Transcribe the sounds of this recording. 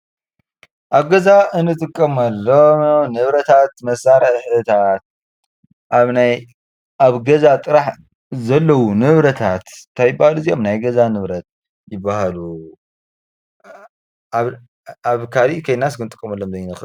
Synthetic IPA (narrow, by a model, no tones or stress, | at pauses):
ʔaβɡɐzaʔɨnːɨt̪ʼɨkʼːɐmɐlːomnɨβɾɐt̪ʰat̪mɐsaɾɐħɨt̪ʰat̪̚ | ʔaβnaj | ʔaβɡɐzat̪ʼɨɾaħ | zɐlːɐwunɨβɾɐt̪ʰat̪t̪ʰajɪbːahaluzijo̞mnajɡɐzanɨβɾɐt̪̚ | jɪbːahalu | aβ | aβkʰaliʔkʰɐjnas̬kɨnɨt̪ʼɨkʼːɐmɐlːomzɐjɪnɨxɨ